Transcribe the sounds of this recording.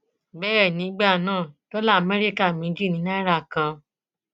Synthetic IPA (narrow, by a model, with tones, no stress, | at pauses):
bɛː˦ɾɛ˦˨nĩ˨˦ɡ͡ba˦˨nãː˦˨tɔ˦la˦˨mɛ˦ɾi˦ka˦˨mĩ˨˦d͡ʒi˦˨nĩ˨˦na˦ɾa˦˨kã˧